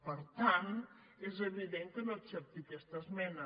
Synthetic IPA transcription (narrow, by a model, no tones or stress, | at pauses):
pəɾt̪an | ezəβiðeŋkənoətsɛp̚t̪ikɛst̪əzmɛnə